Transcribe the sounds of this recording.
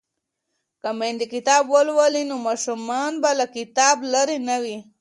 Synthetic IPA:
kamend̪ikɪt̪ɑbwəlwalinomɑʃumɑnbalakɪt̪ɑblaɾinawi

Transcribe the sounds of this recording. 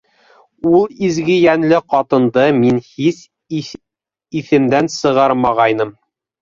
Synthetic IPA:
ulˠizɡɘjænlɘqɒt̪ɤ̆nd̪ɤminhis | iθɘ̆md̪ænsɤ̆ʁɑɾmɑʁɑjnɤm

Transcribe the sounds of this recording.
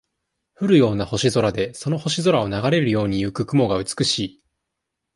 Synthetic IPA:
ɸɯ̟ɾɯ̟jo̞ːnaho̞ɕizo̞ɾad̪e̞so̞no̞ho̞ɕizo̞ɾao̞naɡaɾe̞ɾɯ̟jo̞ːɲ̟ijɯ̟kɯ̟kɯ̟mo̞ɡaɯ̟t͡sɨ̥kɯ̟ɕiː

